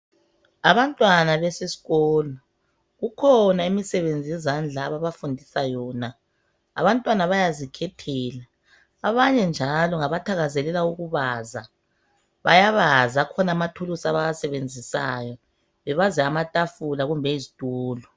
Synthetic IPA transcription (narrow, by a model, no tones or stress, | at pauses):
aβantʼwanaβɛsesi̥ɣɔːlɔ | ɣukʰɔnaimisɛβend͡zʱijɛzand͡ɮʱaːβaβafundʱisajɔːna̰ː | βantʼwanaβajazikʰɛtʰɛːlaː | βaɲɛnd͡ʒʱalɔŋaβatʰaɣazɛlɛlauɣuβaza | βa̰jaβazakʰɔnamatʰulusaβajasɛβend͡zʱisa̰jɔ | βɛβazɛamatʼafulaɣumbʱɛizitʼuːlɔ